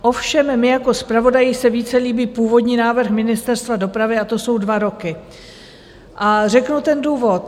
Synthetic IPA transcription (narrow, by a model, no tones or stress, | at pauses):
ʔo̞fʃɛmːɪjako̞spɾavo̞dajɪsɛviːt͡sɛliːbiːpuːvo̞dɲiːnaːvr̩xmɪnɪst̪ɛɾst̪vado̞pɾavɪat̪o̞so̞wdvaɾo̞kɪ | ʔarɛknut̪ɛnduːvo̞t̪